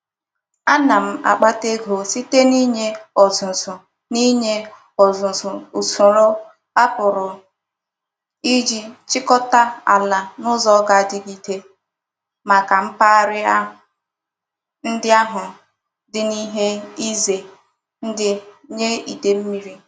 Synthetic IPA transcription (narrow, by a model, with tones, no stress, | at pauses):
a˦na˨m̩˨a̰˨k͡pa˦te˦ɡo˨si˦te˦ni˦ɲe˦ɔ˨zʊ˨zʊ˨ | ni˦ɲe˦ | ɔ˨zʊ˨zʊ˨u˨sʊ˨ɾʊ˦ | a˦pʊ˨ɾʊ˨ | i˦d͡ʒi˦t͡ʃɪ˦kɔ˦ta˦a̰˨la˨nʊ˦zɔ˦ɡa˨dɪ˦ɡi˦te˦ | ma˨ka˨m̩˦pa˦ɾɪ˦a˦˨ | n̩˦dɪ˦a˦ɦʊ˨ | dɪ˦ni˦ɦe˦i˦ze˨ | n̩˦dɪ˦ɲe˦i˨de˨m̩˦mi˦ɾi˦